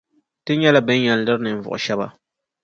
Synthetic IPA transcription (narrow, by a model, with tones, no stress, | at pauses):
tɨ˦ɲɛ˦la˨bɨ˦ɲ˦ɲɛ˨llɨ˦ɾɨ˦nɨ˨n̩˨vʊ̰˨ʔʊ̰˨ʃɛ˦ba̰˦